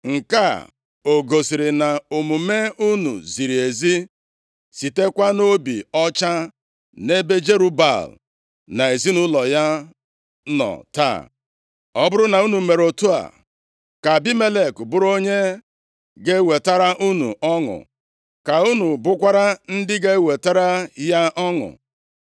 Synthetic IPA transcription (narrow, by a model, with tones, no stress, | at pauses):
ŋ̩˨ka̰˦ | o˨ɡo˨si˨ɾɪ˨na˨o˨mu˨me˦u˦nṵ˨zi˨ɾi˨e˨zi˦ | si˨te˦kʷa˦no˦bḭ˨ɔ˦t͡ʃa˦ | ne˦be˦d͡ʒe˦ɾu˦ba̰˨l | na˨e˨zi˦nʊ˦lɔ˨ja˦ | nɔ̰˨ta̰˦˨ | ɔ˦bʊ˦ɾʊ˦na˨u˦nu˨me˨ɾo˨tu˦a̰˨ | ka˨bi˦me˦le˨kbʊ˦ɾo˦ɲe˦ | ɡe˦we˨ta˦ɾa˦ʔu˦nṵ˨ʔɔ˦ŋʊ̰˨ | ka˨u˦nu˨bʊ˦kʷa˦ɾa˦n̩˦dɪ˦ɡe˦we˨ta˦ɾa˦ja˦ɔ˦ŋʊ̰˨